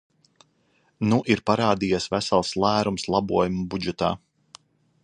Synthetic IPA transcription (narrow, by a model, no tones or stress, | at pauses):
nuʔiɾpaɾaːd̪ijasvæsalˠslˠæːɾumslˠɑbuɔjumbud͡ʒɛt̪a̰ː